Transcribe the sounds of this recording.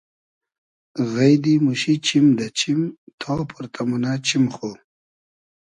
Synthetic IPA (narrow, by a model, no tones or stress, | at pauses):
ɣɐjd̪imuɕit͡ɕimd̪ɐt͡ɕimt̪ʰɔːpʰuɾt̪ʰamunat͡ɕimχo